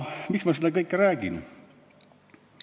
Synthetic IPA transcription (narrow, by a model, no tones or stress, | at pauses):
miksmɑselːɑkɤjkːɾæːɡ̥in